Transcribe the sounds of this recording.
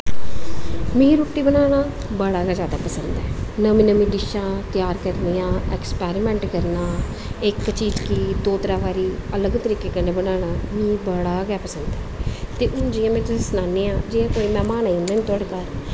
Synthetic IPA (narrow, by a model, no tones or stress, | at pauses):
mĩːɾuːʈːiːbənaːɽ̃aː | bəɽaːɡaːd͡ʒjaːd̪aːpəsənd̪ɛːnəmĩːnəmĩːɖɪʃãːt̪jaːɾkəɾniːãːɛːkspɛːɾimɛ̃ːɳʈkəɾnaː | ɪkːt͡ʃiːd͡ʒkiːd̪oːt̪əɾaːbaːɾiːələɡt̪əɾiːkeːkəneːbənaːɽ̃aːmĩːbəɽaːɡɛːpəsənd̪ɛːt̪eːʔʊnd͡ʒɪjãːmɛ̃ːt̪ʊsesnaːneːãːd͡ʒɪːãːkoːiːmɛ̃ːmaːnaːind̪aːniːt̪ʊəɽkəɾ